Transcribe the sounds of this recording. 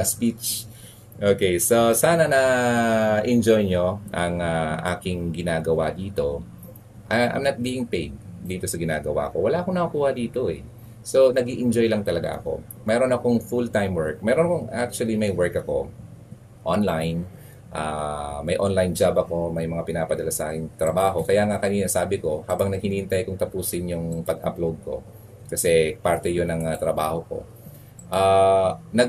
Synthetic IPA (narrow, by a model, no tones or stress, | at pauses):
spit͡ʃ | ʔoːkejsosaːnɐnɐ | ʔɪnd͡ʒojɲo̞ʔɐŋaʔa̰ːkɪŋɡɪnaːɡɐwad̪iːt̪o̞ | ʔɐʔɐ̰jmnɐt̪̚biːɪŋpejd̪̚d̪iːt̪o̞sɐɡɪna̰ːɡɐwa̰ʔko̞wɐlaːɐkonɐukuːhɐd̪iːt̪o̞ɛ | so̞nɐɡiːʔɪnd͡ʒo̞jlɐŋt̪ɐlɐɡa̰ʔɐ̰ko̞̰ | mɛːɾo̞nɐko̞ŋfult̪ajmwɛɹk̚mɛːɾonɐko̞ŋa̰k̚t͡ʃʊwɐlimɐjwɛɹkɐko̞ | ʔonlajn | ʔa̰mɐjʔonlajnd͡ʒabɐko̞mɐjmɐŋapɪnaːpɐd̪ɐlasɐaːkɪŋt̪ɾɐbaːɦo̞kɐjaːŋakɐniːnɐsaːbɪko̞haːbɐŋnɐɡ̚hɪniːʔɪnt̪ajkʊŋt̪ɐpuːsɪnjʊŋpɐɡɐ̰plod̪̚ko̞̰ | kɐsɛpaɾt̪ɛjonɐŋɐt̪ɾɐba̰ːho̞ko̞̰ | ʔanɐɡ